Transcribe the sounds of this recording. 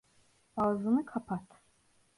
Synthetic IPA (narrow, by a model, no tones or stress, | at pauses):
azɯnɯkʰapʰat̪